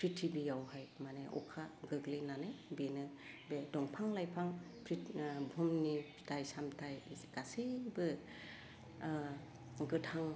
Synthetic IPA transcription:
pʰɾitʰibijawhajmaneʔɔ̰kʰaɡɯɡlenanebenɯ | bedɔŋpʰaŋlajpʰaŋpʰɾibʱɔmni | tʰajsamtʰajɡ̥asebɯ | ɡɯtʰaŋ

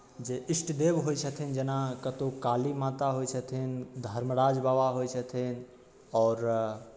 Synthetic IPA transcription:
d͡ʒeʔɪsʈd̪ebɦojt͡ʃʰət̪ʰind͡ʒenakət̪okaːlimat̪aɦojt͡ʃʰət̪ʰind̪ʱəɾməɾaːd͡ʒbaʋaɦojt͡ʃʰət̪ʰin | ɔːɾ

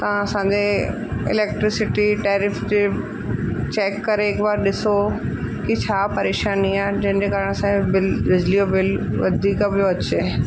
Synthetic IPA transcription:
t̪ɐãɐsãɲd͡ʑe | ɪ̰leːk̚ʈɾɪsɪʈiʈeːɾɪfd͡ʑeː | t͡ɕeːkːɐɾeɪːkʋaːɾɗɪsokit͡ɕʰaːpɐɾeːʃaːniaːd͡ʑɐ̃ɦɪ̃d͡ʑekaːɾɪɽ̃əsãbɪlʋɪd͡ʑlijobɪlʋɐ̰d̪ʱiːkabʱɪjoɐt͡ɕeː

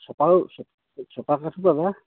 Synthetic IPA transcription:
sɔpasɔ | sɔpakatʰupaba

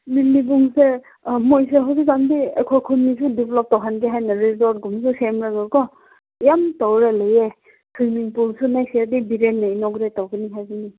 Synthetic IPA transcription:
ninːibuŋse | mojseɦawzik̚zandiekʰɔjkʰunmisudipʰlɔp̚tɔwɦanɡiɦajnaɾizɔɾt̚ɡumsusemɾaɡɯɾkɔ | jamtɔwɾeleje | kʰimiŋpulsunajsiaɾdibiɾenːajnɔɡɾetawɡɯniɦajɡɯni

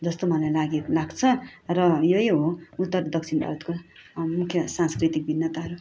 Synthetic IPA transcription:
d͡zʌst̪omʌlajlaɡelaɡt͡sʰʌrʌjoiɦout̪ːʌrd̪ʌk̚t͡sʰinbʱa̰ɾʌt̪komukʰjʌsanskrit̪ik̚binːʌt̪aɦʌɾu

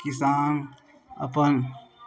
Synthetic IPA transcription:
kisaːŋ | ɐ̰pən

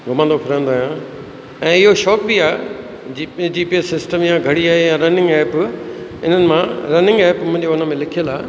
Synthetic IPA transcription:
ɡʱʊmə̃nd̪opʰɪɾə̃ːnd̪oaːjã | ɛ̃ːɪɦoʃɔːkbiaː | d͡ʑid͡ʑiːpiesɪsʈəmjãɡʱɐɽiaːɦejãɾɐnɪ̃ŋɡɛːpɪ̰n̤ənɪ̆mãɾɐnɪ̃ŋɡɛːpmʊ̃ɦɪ̃ɲd͡ʑoʊnəmẽlɪkʰijəlaː

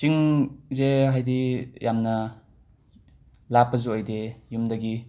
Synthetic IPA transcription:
t͡ʃiŋzeɦajdijʔamnɐ | lapːɐzuəjdejumdɐɡi

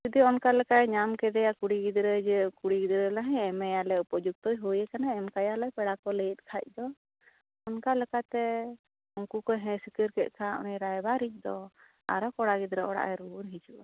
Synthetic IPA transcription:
d͡ʒid̪iɔnkalɛkaɛɲamkɛd̪ɛjakuɽiɡid̪ɾəd͡ʒɛkuɽiɡid̪ɾəlaɦɛ̃ɛmɛjalɛupɔd͡ʒuɡ̚t̪ɔjɦujɛkanaɛmkajalɛpɛɽakɔləjɛt̪̚ˀkʰac̚ˀd̪ɔ | ɔnkalɛkat̪ɛ | ɔŋkukɔɦɛ̃sikəɾkɛt̪̚ˀkʰaʔmɛɾajbaɾic̚ˀd̪ɔ | a̰ɾɔkɔɽaɡid̪ɾəɔɽa̰ʔɛɾuɾɦid͡ʒuʔa

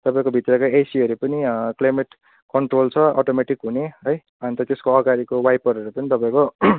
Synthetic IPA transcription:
t̪ʌpaĩkobʱit̪rʌkaesiɦʌɾupʌniklajmeʈ | kʌɳʈrolt͡sʰʌɔʈomeʈikɦuneɦʌj | ʌnit̪ʌt̪eskoʌɡaɾikowajpʌɾʌɾupʌnit̪ʌpãĩko

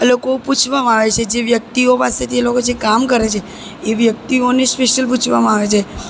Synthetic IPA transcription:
alokoput͡ʃʰʋamãaʋet͡ʃʰed͡ʒeʋjək̚t̪iopaset̪ʰielokod͡ʒʰekamkəɾet͡ʃʰe | eʋjək̚t̪ionespeʃəlp̬ut͡ʃʰʋamãaʋet͡ʃʰe

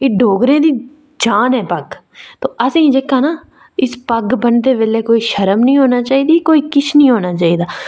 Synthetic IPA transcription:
eːɖʱoːɡɾẽːd̪iː | d͡ʒaːnɦɛːpəɡ | t̪oːʔəsĩːd͡ʒeːkaːnaː | ɪspəɡbənt̪eːʋeːleːkoːiːʃəɾəmnəĩːɦoːnaːt͡ʃaːiːd̪iːkoːiːkɪt͡ʃʰnĩːɦoːnaːt͡ʃaːiːd̪aː

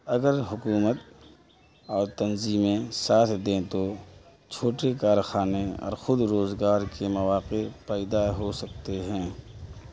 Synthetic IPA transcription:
ɐɡəɾɦʊkuːmət̪̚ | ɔːɾt̪ɐnziːmẽsaːt̪ʰd̪ẽt̪o | t͡ʃʰoːʈekaːɾxaːneɔ̰ːɾxʊd̪ɾoːzɡaːɾkemɐʋaːqepɛːɪd̪aɦosɐk̚t̪eɦɛ̃ː

